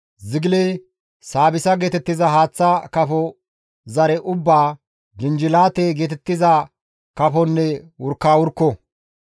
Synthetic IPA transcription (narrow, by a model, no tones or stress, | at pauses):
zɪɡlej | saːbɪsɐɡeːt̪ɛt̪ːɪzɐɦaːt͡sːɐkɐfɔ | zɐɾɛʔʊbːaː | d͡ʒɪnd͡ʒɪlaːt̪eɡeːt̪ɛt̪ːɪzɐ | kɐfɔnːɛwʊɾkːaːwʊɾkːɔ